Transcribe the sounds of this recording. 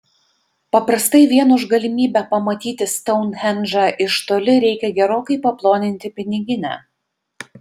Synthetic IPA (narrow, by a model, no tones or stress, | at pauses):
pɐpɾɐst̪ɐɪʋʲiɛnʊʒɡɐlʲɪmʲiːbʲɛpɐmɐt̪ʲiːt̪ʲɪst̪ɔʊnhʲɛnʒɑʔɪʃt̪oːlʲɪɾʲɛɪkʲɛɡʲɛɾoːkɐɪpɐplˠoːnʲɪnʲt̪ʲɪpʲɪnʲɪɡʲɪnʲæ̰ː